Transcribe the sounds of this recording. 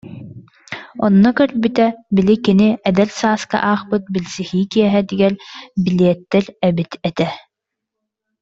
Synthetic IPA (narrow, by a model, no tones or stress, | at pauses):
ɔ̰nːɔkœɾbit̪ɛbilikiniɛd̪ɛlsaːska̰ʔaːχpɯt̪̚bilsixiːkiɛɦɛd̪iɡɛlbiliɛt̪ːɛɾɛbit̪ɛt̪ɛ